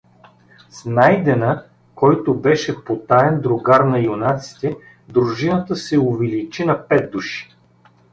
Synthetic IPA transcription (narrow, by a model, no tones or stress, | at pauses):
snajd̪ɛnə | kɔjt̪ʊbɛʃɛpot̪aɛnd̪ɾʊɡaɾnɐjʊnat̪si̥t̪ɛ | d̪ɾʊʒinət̪əsɛʊvɛlit͡ʃinɐpɛd̪̚d̪ːuʃi̥